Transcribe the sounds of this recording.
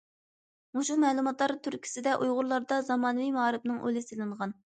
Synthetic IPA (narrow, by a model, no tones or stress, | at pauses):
muʃumɛːlˠumɑt̪lˠɑɾt̪ʰyɾkʲʰi̥sɪd̪ɛʔujʁʊɾlˠɑɾd̪ɑzɑmɑːnɨvimɑɑɾɨp̚nɨŋʔø̰lɪsɪlɨŋʁɑn